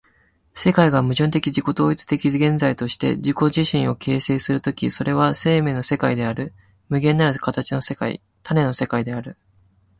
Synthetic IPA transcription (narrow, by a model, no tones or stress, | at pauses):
se̞kaiɡamɯ̟ʑɨ̃nt̪̬e̞kʲid͡ʑiko̞t̪o̞ːit͡sɨ̥t̪e̞kʲiɡẽ̞nd͡zait̪o̞ɕi̥t̪e̞̰ʑiko̞ʑiɕĩɰ̃o̞kʰe̞ːse̞ːsɨɾɯ̟t̪o̞kʲiso̞ɾe̞β̞ase̞ːme̞ːno̞se̞kaid̪e̞aɾɯ̟ | mɯ̟ɡẽ̞nːaɾɯkat̪at͡ɕino̞se̞kaḭ | t̪ʰane̞no̞se̞kaid̪e̞aɾɯ̟